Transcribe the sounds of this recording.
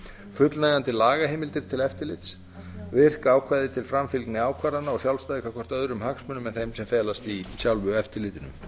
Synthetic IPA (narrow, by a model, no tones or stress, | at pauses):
fʏt̪lnajðant̪ɪlaːɣaɦɪːmɪlt̪ɪɾ̥t̪ʰɪlɛft̪ɪɾlɪt̪s | vɪr̥kaːwkʰvaːjðɪt̪ʰɪlfɾamfɪlknɪaːwkʰvaɾðanːaɔsjawlst̪ajðɪkʰakʰɔr̥t̪œðɾʏmhaksmʏnːʏmɛnθejmsɛmfɛːlast̪isjawlvʏɛft̪ɪɾlɪːt̪ɪnʏ̰m